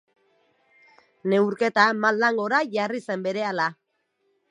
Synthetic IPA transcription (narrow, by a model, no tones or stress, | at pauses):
ne̞wɾke̞t̪amalːaŋɡo̞ɾaʝarise̞mbe̞ɾe̞ala